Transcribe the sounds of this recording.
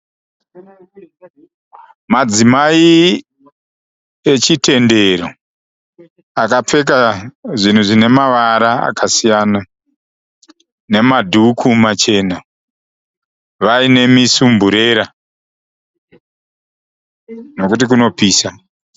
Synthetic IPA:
mad͡zimai | e̞t͡ʃitʰe̞nde̞ɾo | akap͡fe̞k̬aʐin̤uʐine̞maʋaɾaa̰kʰasijaːna | ne̞madʱukʰumat͡ʃe̞ːna | ʋaine̞misumbuɾe̞ːɾa | no̞kut̬ik̬uno̞piːsa

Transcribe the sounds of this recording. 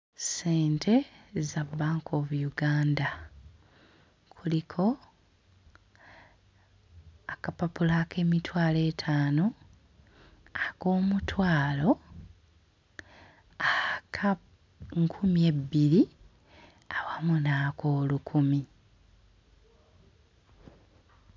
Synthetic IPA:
se̞ːntʰe̞zabːaːŋkʰo̞ːβujuɡaːnda | kʰulikʰo̞ | akapapulaːke̞ːmitwaːle̞ːtʰaːno̞ | ako̞ːmutʰwaːlo̞ | akʰa | ŋkʰumie̞bːiɾi | awamunakʰo̞ːlukʰumi

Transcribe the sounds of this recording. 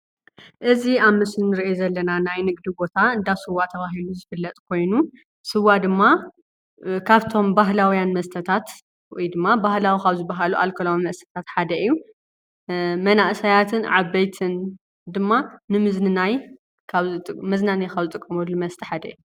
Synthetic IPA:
ʔɨziaβmɨsnnɨɾiʔezɐlːɐnanajnɨɡd̪ibo̞t̪ʰaɨnd̪asɨwːat̪ʰɐβaɦiluzɨfɨlːɐt̪ʼkʰo̞jnu | sɨwad̪ɨmːa | kʰaβt̪ʰo̞mbaɦlawjanmɐst̪ʰɐt̪ʰat̪ | wɔjd̪ɨmːabahlawikʰaβzɨbːaɦaluʔa̰lkʰɐlommɐst̪ʰɐ̥t̪ʰat̪ħad̪ɐʔijːu | mɐnaʔsajat̪ʰɨnʕaβːɐjt̪ʰɨn | d̪ɨmːanɨmɨznɨnaj | kʰaβt̪ʼmɐznanakʰaβzɨt̪ʼɨkʼːɐmolɨmɐst̪ʰi̥ħad̪ɐ̰ju

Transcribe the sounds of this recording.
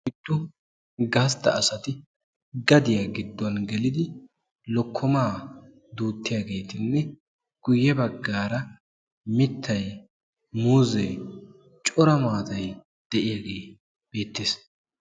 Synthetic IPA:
ɪd̪̥ːʊ | ɡaːst̪ːɐ̰ːsɐt̪ɪ | ɡɐd̪ɪjaɡɪd̪ːɔnɡɛlɪd̪ɪ | lɔkʰːɔmaː | d̪uːt̪ːɪjaːɡe̞ːt̪ɪnːɛ | ɡ̥ʊjːɛbɐɡːaːɾɐ | mɪt̪ʰːɐj | muːzɛj | t͡ʃʼɔɾɐmaːt̪ɐj | d̪̥ɛʔɪjaːɡe̞ː | b̥e̞ːt̪ːeːs

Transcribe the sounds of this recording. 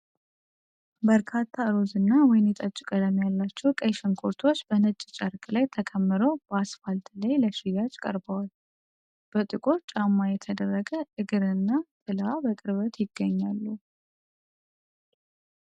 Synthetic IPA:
bəɾkʰat̪ʰːaɨɾozɨnːawɔjɪnjɛt̪ʼət͡ʃʼːɪkʼələmjalːat͡ʃːɛwkʼəjʃəŋkʰʼoɾt̪ʰo̞t͡ʃːb̥ənɨt͡ʃʼːt͡ʃʼəɾkʼlajt̪ʰəkʰəmːɨɾowb̥əasfalt̪lajləʃijat͡ʃʼkʼə̰ɾbəwal | b̥ət̪ʼɨkʼo̞t͡ʃʼamːajɛt̪ʰəd̪ərːəɡəʔɨɡɨɾɨnːat̪ʼɨlabəkʼɨɾβət̪ʰjɪɡːəɲːalːu

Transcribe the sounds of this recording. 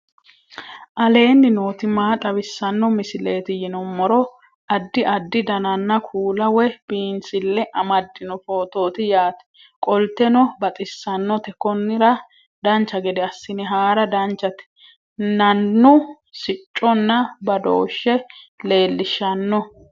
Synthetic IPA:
ʔɐle̞ːnːɪnoːt̪ɪmaːt̪ʼɐbɪsːɐnːɔmɪsɪleːt̪ɪjɪnɔmːɔɾɔ | ʔɐd̪ːɪʔɐd̪ːɪd̪ɐnɐnːɐkʰuːlɐwɛb̥iːnsɪlːɛʔɐmɐd̪ːɪnɔfo̞ːt̪o̞ːt̪ɪjaːt̪ɛ̥ | kʼɔlt̪ːɛnɔbɐt̪ʼɪsːɐnːɔt̪ɛkɔnːɪɾɐ | d̪ɐnt͡ʃːɐɡɛd̪ɛɐsːɪnɪɦaːɾɐd̪ɐnt͡ʃːɐt̪ɪ̥ | nɐnːʊ | sɪt͡ʃʼːɔnːɐbɐd̪o̰ːʃːɛle̞ːlːɪʃːɐnːɔ

